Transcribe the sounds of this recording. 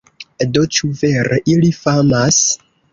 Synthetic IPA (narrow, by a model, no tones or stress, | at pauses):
do̞t͡ʃuveɾeʔilifamas